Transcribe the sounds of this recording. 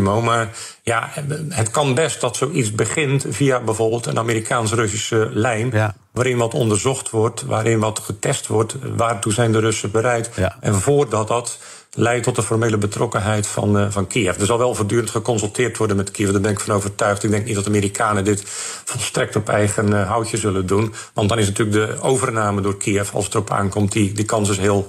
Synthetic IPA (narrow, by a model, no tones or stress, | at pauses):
mowmar | jaɦətkɑnbɛst̚dɔtsowit͡sbəɣɪntviabɛvoːrbɪːlˠtə̰nʔameːɾikʰaːns̬ərɵs̬isəlɛjn | ʋaːɾɪnʋɔtɔ̰ndərzɔxtʋɔrtʋaːɾʔɪnʋɑtχətɛstʋɔrtʋaːrtuzɛjndərɵsəbəɾɛjtɛnvoːrdɔt̚dɑt | lɛjtːɔtdəfɔrmeːləbətrɔkənɦɛjtfɑ̰nfɑnkʰiəfdərzɑlˠʋɛlˠvoːrdyːɾəntχəkɔnsəlˠtʰɪːrtʋɔrdənmɛtkʰiəfdaːbɪnɪkfɔnowvərtœɥxtɪɡ̚dɛŋk̚nitdɔtaːmiːɾikʰaːnədɪtfɔlˠstrɛk̚tɔpɛjɣənɦɔwtjəzɵləndun | ʋɑntdɔnɪs̬natyːlək̚dəoːvərnaːmədʊːrkʰiəfɑ̰lˠsətərɔpa̰ːnkɔmtidəkʰɑnsɪsɦɪːəlˠ